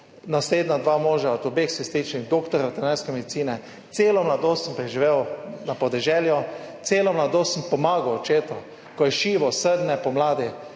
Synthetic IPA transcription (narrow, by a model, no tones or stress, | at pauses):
nasleːd̪nad̪ʋaːmoːʒaɔt̪ʊbexsɛst̪it͡ʃnixd̪oːkt̪ɔɾjaʋɛt̪anaɾskɛmɛd̪it̪siːnɛ | t̪seːlɔmlad̪ossəmpɾɛʒiʋewnapɔd̪ɛʒɛljɔ | t̪seːlɔmlad̪oːssəmpɔmaːɡawɔt͡ʃeːt̪ɔ | kɔjɛʃiːʋɔsəd̪nɛpɔmlaːd̪i